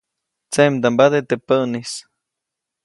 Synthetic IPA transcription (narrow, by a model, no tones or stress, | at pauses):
t͡semd̪ambaðet̪epənis